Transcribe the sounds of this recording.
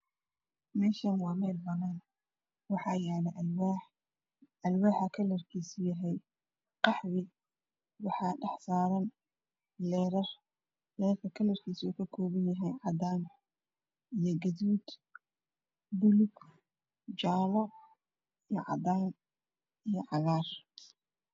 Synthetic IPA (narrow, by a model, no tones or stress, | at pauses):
mɛːʃɐnwɑːmɛːlbɐnaːn | wɑħɑːjaːlɛʔwaħ | ɐlwaːħɐkʰɐlɐrkʰiːsʊjɐɦɛj | qɑħwɪ | wɑħɑːɖɑħsaːɾɐn | lɛːɾɐr | lɛːrkʰɐkʰɐlɐrkʰiːsuːkʰɐkʰɔːβɐnjɐɦɛjʕɑd̪aːn | ijɞɡɐðuːd̪ | bʊlʊɡ | d͡ʒaːlɔ | ijɞʕɑ̰d̪aːn | ijɞʕɑɣaːr